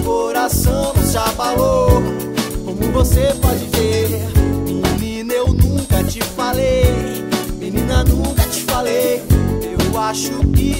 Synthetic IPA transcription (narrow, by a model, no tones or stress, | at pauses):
koɾasɐ̃w̃ʒafalo | kõmʊvosepɔd͡ʒɪve | mĩnĩnewnũkɐt͡ʃɪfalej | mĩnĩnɐnũkɐt͡ʃɪ̥falejewaʃʊkɪ